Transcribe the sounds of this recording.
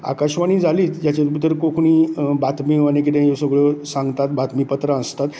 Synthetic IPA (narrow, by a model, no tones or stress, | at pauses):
a̰kaɕʋañid͡zʱaliːd͡ʑat͡ɕet̪əɾkokʰuñibat̪miʋanẽk̬it̪ẽjosəɡɭəsãŋɡt̪at̪̚bat̪mipət̪ɾaəst̪at̪